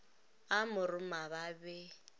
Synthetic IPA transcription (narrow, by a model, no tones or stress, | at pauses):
amʊɾʊmaβabɛ